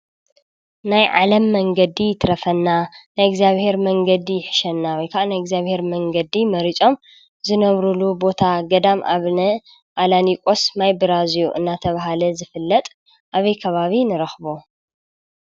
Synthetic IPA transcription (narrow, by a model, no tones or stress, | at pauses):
najʕa̰lɐmːɐŋɡɐd̪ijt̪ʰɾɐfɐnːanajɛɡzijaβhe̞ɾmɐŋɡɐd̪ijɪħɨ̥ʃɐnːawɔjkʰaʔnajɛɡzjaβhe̞ɾmɐŋɡɐd̪imɐɾit͡ʃʼo̞m | zɨnɐβɾulubo̞t̪ʰaɡɐd̪ama̰βnɐ | ʔalanikʼo̞smajbɨɾazjuʔɨ̰nːat̪ʰɐβaɦalɐzɨfɨlːɐt̪ʼ | ʔaβɐjkʰɐβaβinɨɾɐxβo